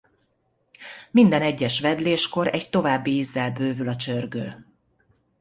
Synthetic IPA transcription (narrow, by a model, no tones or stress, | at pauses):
mind̪ɛnɛɟːɛʃʋɛd̪leːʃko̞ɾɛct̪o̞vaːbːiizːɛlbøːvylɒt͡ʃørɡø̰l